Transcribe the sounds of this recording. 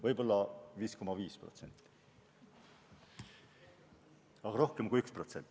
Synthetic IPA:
vɤjbo̞lːɑviːsko̞mɑviːspro̞̰t̪se̞̰nʲt̪ːˑi̥ | ɑɡ̥ɑɾo̞hkemkujykspro̞t̪se̞nt̪ːˑ

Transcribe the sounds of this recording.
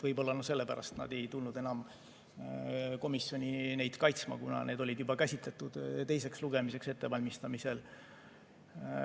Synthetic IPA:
vɤjbo̞lːɑnuse̞lːepæ̰ɾʔɑ̰st̪t̪nɑ̰d̪e̞jt̪ulnud̪e̞nɑm | ko̞misjo̞nʲine̞jd̪̥kɑjt̪smɑ̰kunɑ̰ne̞ːd̪o̞lʲid̪̥jubɑkæsʲit̪let̪ːud̪̥t̪e̞js̬e̞ksluɡ̥e̞mise̞kse̞t̪ːe̞vɑlʲmist̪ɑmise̞l

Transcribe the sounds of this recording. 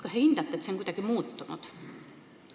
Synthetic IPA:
kɑsehind̪ɑt̪ːˑet̪seoŋkujd̪ɑɡ̥imuːt̪ːunṵd̪̥

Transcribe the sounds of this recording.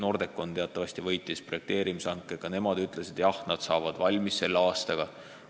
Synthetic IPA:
no̞ːrd̪̥e̞kːˑo̞nt̪e̞ɑt̪ːˑɑvɑsʲt̪ivɤ̞jt̪ːˑispro̞jek̚t̪e̞ːɾimisɑŋkːˑekɑne̞mɑd̪yt̪ːˑle̞sid̪̥jɑhnɑd̪̥sɑːvɑd̪̥vɑlʲmisse̞lːɑːst̪ɑɡ̥ɑ

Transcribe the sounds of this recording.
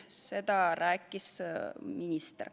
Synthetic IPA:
se̞d̪̥ɑɾæːkːˑisminʲist̪r

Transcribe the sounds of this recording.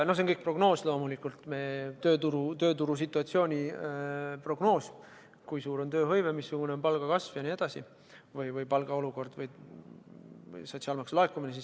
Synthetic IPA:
no̞hsenkɤjk̚pro̞ɡ̥no̞ːslo̞ːmulikˑult̪met̪øːt̪uɾut̪ø̞ːt̪uɾus̬it̪ːˑuɑt̪sio̞ːnʲi | pro̞ɡ̥no̞ːsʲ | kujsuːɾo̞nt̪ø̞ːɦɤjvemisːuɡ̥une̞o̞npɑlɡ̥ɑkɑsvjɑnie̞d̪̥ɑsi | vɤjvɤjpɑlɡ̥ɑo̞luɡo̞rd̪̥vɤj | sot̪siɑːlmɑksulɑekːˑumines̬is

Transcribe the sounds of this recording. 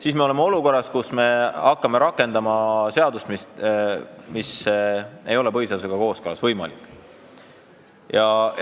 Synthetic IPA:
sismeo̞lemeo̞luko̞rːɑskusme̞ɑkːɑme̞ɾɑkːˑe̞nd̪ɑmɑse̞ɑd̪ust̪mist̪ | mis | e̞jo̞le̞pɤjsɑs̬eɡ̥ɑko̞ːskɤlɑsv̥ɤjmɑ̰likːˑ | jɑ

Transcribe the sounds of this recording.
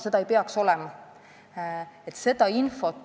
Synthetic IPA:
se̞d̪ɑejpeɑkso̞lɛmɑ | et̪se̞d̪̥ɑinfo̞t̪

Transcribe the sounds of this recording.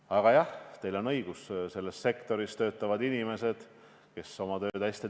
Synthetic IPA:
ɑɡ̥ɑjɑht̪e̞jlo̞nɤ̞jɡ̥usse̞lːesːe̞kt̪o̞ɾist̪ø̞ːt̪ːˑɑvɑd̪inime̞se̞d̪̥ | ke̞so̞mɑt̪ø̞ːd̪æsʲt̪i

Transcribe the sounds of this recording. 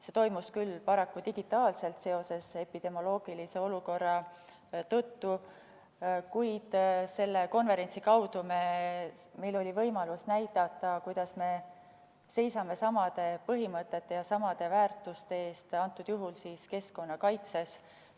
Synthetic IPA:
se̞t̪o̞jmuskylːpɑɾɑkːud̪iɡ̥it̪ːˑɑːlse̞lt̪se̞o̞se̞se̞pid̪̥e̞mo̞lo̞ːɡ̥ilise̞o̞luko̞rːɑ | t̪ɤt̪ːu | kujd̪̥se̞lːe̞ko̞nveɾe̞nʲt̪sikɑwd̪̥ume̞ | me̞jlo̞lʲivɤjmɑlusnæjt̪ɑt̪ːˑɑkujd̪̥ɑsme̞ | se̞jsɑme̞sɑmɑd̪̥e̞pɤɦimɤt̪ˑːe̞t̪ːe̞jɑsɑmɑd̪̥e̞væːrt̪ːˑust̪e̞eːst̪ɑnt̪ːˑud̪̥juɦulsiːske̞sko̞nːɑkɑjt̪se̞s

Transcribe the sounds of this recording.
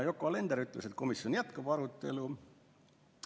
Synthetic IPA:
jo̞kːˑoɑle̞nd̪̥eɾyt̪ːˑlese̞t̪̚ko̞misjo̞njæt̪kɑb̥ɑɾut̪ːˑe̞̰lu

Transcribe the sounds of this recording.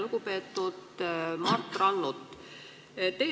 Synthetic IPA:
luɡ̥upe̞ːt̪ːˑud̪̥mɑrt̪ːˑrɑnːut̪ːˑ | t̪ːe

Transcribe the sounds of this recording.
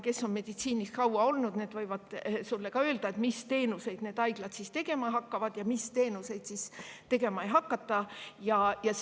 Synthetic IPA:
ke̞sːo̞nme̞d̪̥it̪siːniskɑwɑo̞lnud̪̥ne̞ːd̪vɤjvɑd̪̥sulːekɑø̞ːld̪̥ɑe̞t̪mist̪e̞ːnuse̞jd̪̥neːd̪ɑjɡ̥lɑd̪̥sist̪e̞ɡe̞mɑɦɑkːɑvɑd̪̥jɑmist̪e̞ːnuse̞jd̪̥sist̪e̞ɡe̞mɑejɦɑkːɑt̪ːˑɑjɑjɑs

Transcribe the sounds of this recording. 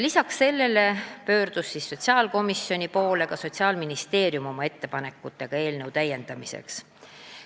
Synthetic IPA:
lisɑksse̞lːe̞le̞pø̞ːrd̪̥usːisːo̞t̪ʲsiɑːlko̞misjo̞nʲipo̞ːle̞kɑso̞t̪ʲsiɑːlminist̪e̞ːɾjumo̞mɑe̞t̪ːe̞pɑne̞kːˑut̪ːˑe̞ɡ̥ɑe̞ːlne̞wt̪æjːe̞nd̪̥ɑmise̞̰ks

